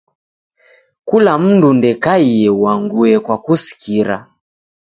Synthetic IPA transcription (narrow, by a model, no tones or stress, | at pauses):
kulam̩ndundɛkaiɛwaŋɡuɛkwakusi̥kiɾa̰